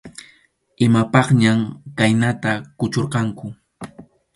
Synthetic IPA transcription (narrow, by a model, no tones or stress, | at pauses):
ɪmapɑχɲamkajnat̪akʊt͡ʃoɾqɑŋkʊ